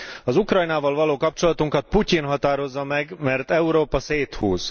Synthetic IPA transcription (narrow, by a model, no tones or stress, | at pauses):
ɒzukrɒjnaːvɒlvɒloːkɒp̚t͡ʃo̞lɒt̪uŋkɒt̪̚pucinɦɒt̪aːɾo̞zːɒmɛɡmɛrt̪ɛuɾoːpɒseːt̪hṵːz